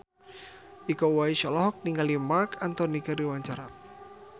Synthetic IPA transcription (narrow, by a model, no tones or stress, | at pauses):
ʔikowaiʃɔlɔɦɔk̚niŋɡalimarkant̪ɔnikəriwaɲt͡ʃaɾa